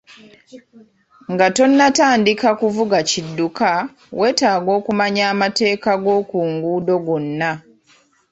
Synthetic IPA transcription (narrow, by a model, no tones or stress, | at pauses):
ŋɡato̞nːataːndikakuvuɡacidːuka | wʔe̞ːtaːɡo̞ːkumaɲaːmate̞ːkaɡo̞ːkuːŋɡuːdo̞ɡonːa